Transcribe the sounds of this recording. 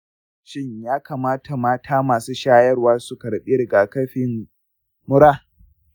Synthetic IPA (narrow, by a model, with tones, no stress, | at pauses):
ʃɪ˦ɲjaː˦kaː˨maː˦tʰa˨maː˦tʰa˨maː˨suː˦ʃaː˦jɐ˦rwaː˦su˨kɐ˨ɽɓi˦ɾɪ˨ɡaː˨kɐ˦ɸɪ˨n | mʊ˦ɾaː˦